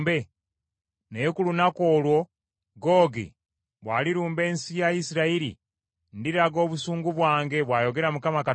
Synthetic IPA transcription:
be | nejekulunakoːlwo̞ | ɡoːɡḭ | βwaːliɾuːmbe̞ːnsijajisiɾaiɾḭ | ndiɾaɡo̞ːβusuːŋɡuβwaːŋɡe̞βwaːjo̞ɡe̞ɾamukamaka

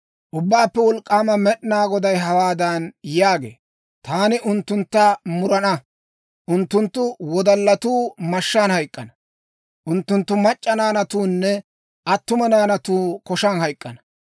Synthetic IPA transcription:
ʔʊbːaːpːɛwɔlkʼːaːmɐmɛɗnaːɡɔd̪ɐjɦɐwaːd̪ɐnjaːɡḛː | t̪aːnɪʔʊnt̪ːʊnt̪ːɐmʊɾɐnɐ | ʔʊnt̪ːʊnt̪ːʊwɔd̪ɐlːɐt̪uːmɐʃːaːnhɐjkʼːɐnɐ | ʔʊnt̪ːʊnt̪ːʊmɐt͡ʃʼːɐnaːnɐt̪uːnːɛ | ʔɐt̪ːʊmɐnaːnɐt̪uːkɔʃɐnɦɐjkʼːɐnɐ

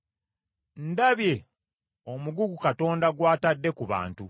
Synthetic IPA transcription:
n̩daβje̞ | omuɡuɡukato̞ːndaɡwaːtadːe̞kuβa̰ːntu

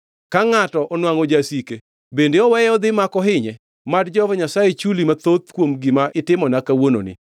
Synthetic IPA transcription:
kaŋatɔʔɔnwaŋod͡ʒasike | bendeɔwɛjɔd̪ɪmakɔɦɪɲɛ | madd͡ʒɔvɲasajet͡ʃulimat̪ot̪kwomɡɪmaʔɪtɪmɔnakawono̰nɪ̰

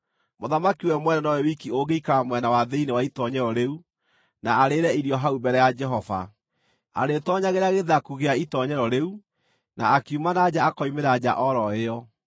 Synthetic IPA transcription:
moðamakiwɛmwɛnɛnɔwɛwikioɡeikaamwɛnawaðeinewaitɔɲɛɾɔɾeu | naaɾeɾɛiɾiɔɦaubɛɾɛjad͡ʒɛɦɔva̰ | a̰ɾetɔɲaɣeɾaɣeðakuɣeaitɔɲɛɾɔɾeu | naakiumanad͡ʑaːkɔimeɾad͡ʑa̰ʔɔɾɔeɔ

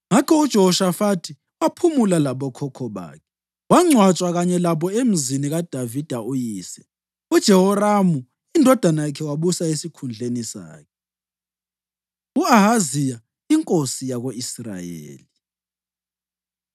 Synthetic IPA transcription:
ŋakʰɔud̥ʒ̥ʱɔhɔʃafatʰi | wapʰumulalaɓɔkʰɔkʰɔβa̰ːkʰɛ̥ | waŋ͡ǀʱwat͡ʃʼwaɣaɲɛlaβɔem̩ziniɣad̥ʱavid̥ʱaujiːsɛ | ud̥ʒ̥ʱɛhɔramu | indʱɔd̥ʱanajakʰɛwaβusaesikʰund͡ɮʱenisa̰ːkʰɛ | uaɦazija | iŋkʼosijaɣoisra̰jḛːli

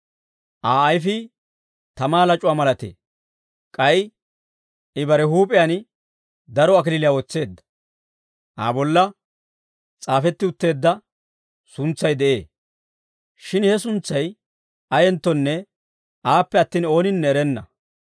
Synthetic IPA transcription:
ʔaːɐjfɪ | t̪ɐmaːlɐt͡ʃʼʊwaːmɐlɐt̪ḛː | kʼɐj | ɪbɐɾɛɦuːpʼɛjan | d̪ɐɾɔɐk̬ɪlɪlɪjaːwɔt͡sːe̞ːd̪ːɐ̥ | ʔa̰ːbɔlːɐ | t͡sʼaːfɛt̪ːɪʊt̪ːe̞ːd̪ːɐ | sʊnt͡sːɐjd̪ɛʔe̞ː | ʃɪnhɛsʊnt͡sːɐj | ʔɐjɛnt̪ːɔnːɛ | ʔaːpːɛɐt̪ːiːno̞ːnɪnːɛːɾɛnːɐ̰

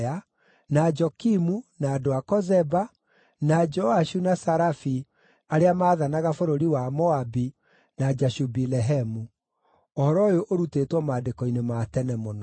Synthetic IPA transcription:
a | nad͡ʒɔkimunaːdoakɔzɛba | nad͡ʒɔaʃunasaɾafi | aɾeamaːðanaɣafoɾoɾiwamɔabi | nad͡ʒaʃubilɛɦɛmu | ohɔɾɔjoʔoɾutetwɔmadekɔinematɛnɛmonɔ

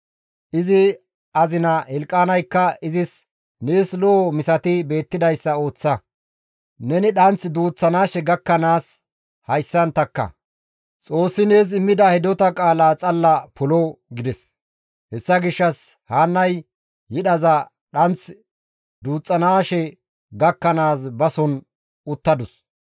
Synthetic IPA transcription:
ʔɪzɪ | ʔɐzɪnɐhɛlkʼːaːnɐjkːɐɪzɪs | neːslɔɔmɪsɐt̪ɪbe̞ːt̪ːɪd̪ɐjsːɐo̞ːt͡sːɐ | nɛnɪɗɐnt͡sd̪uːt͡sːɐnaːʃɛɡɐkːɐnaːs | hɐjsːɐnt̪ɐkːɐ̰ | t͡sʼo̞ːsːɪneːs̬ɪmːɪd̪ɐhɛd̪ɔt̪ɐkʼaːlaːt͡sʼɐlːɐpʊlɔɡɪd̪ɛs | hɛsːɐɡɪʃːɐshaːnːɐj | jɪɗɐzɐ | ɗɐnt͡s | d̪uːt͡sʼːɐnaːʃɛ | ɡɐkːɐnaːs̬bɐsɔn | ʊt̪ːɐd̪ʊs

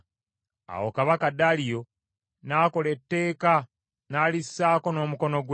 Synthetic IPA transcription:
a̰wo̞̰kaβakadalijo̞ | naːko̞le̞tːe̞ːka | naːlisːaːko̞no̞ːmuko̞no̞ɡw

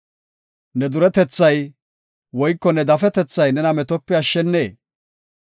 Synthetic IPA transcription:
nɛd̪ʊɾɛt̪ɛt͡sːɐj | wɔjkːɔnɛd̪ɐfɛt̪ɛt͡sːɐjnɛnɐmɛt̪ɔpːɪɐʃːɛnːeː

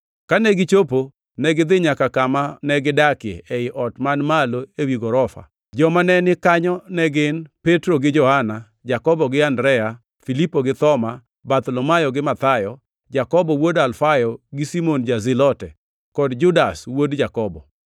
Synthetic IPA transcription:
kanɛɡɪt͡ʃopo | nɛɡɪd̪ɪɲakakamanɛɡɪdakɪḛʔeɪʔɔtmanmaloewiɡɔɾɔfa̰ | d͡ʒɔmanɛnɪkaɲɔnɛɡɪnpetɾoɡɪd͡ʒɔhana | d͡ʒakɔbɔɡɪandɾɛja | filipoɡɪt̪ɔma | bat̪lomajɔɡɪmat̪ajɔ | d͡ʒakɔbɔwodalfajɔɡɪsimond͡ʒazɪlɔtɛ | kɔdd͡ʒʊdaswodd͡ʒakɔbɔ̰

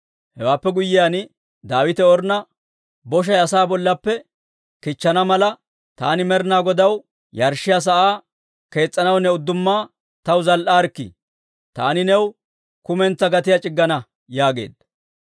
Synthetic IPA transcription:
hɛwaːpːɛɡʊjːɪjaːn | d̪aːwɪt̪ɛɔɾnɐ | bɔʃ̬ɐjɐsaːbɔlːɐpːɛ | kɪt͡ʃːɐnɐmɐlɐ | t̪aːnɪmɛɾnaːɡɔd̪ɐw | jɐɾʃːɪjas̬ɐʔaː | ke̞ːt͡sʼːɐnɐwnɛʊd̪ːʊmːaː | t̪ɐwzɐlʔaːɾkːɪ̰ | t̪a̰ːnɪnɛw | kʊmɛnt͡sːɐɡɐt̪ɪjɐt͡ʃʼɪɡːɐnɐ | jaːɡe̞̰ːd̪

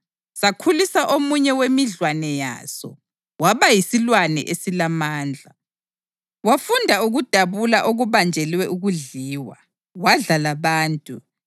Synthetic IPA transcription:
sakʰulisaʔomuɲɛwemiɮwanɛja̰ːsɔ | waβajisilwanɛ̰ʔesilamaːnd͡ɮʱa | wafundʱauɣud̥ʱaβulaʔoɣuβand͡ʒʱɛlwɛʔuɣuɮiːwa̰ | waɮalaβaːntʼu

